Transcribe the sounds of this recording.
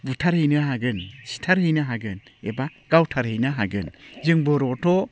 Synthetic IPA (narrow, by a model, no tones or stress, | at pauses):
butʰaɾhɯjnɯɦaɡɯnsi̥tʰaɾhɯjnɯɦaɡɯnebaɡ̥awtʰaɾhejnaɦaɡɯnzɯŋbɔɾɔtʰɔ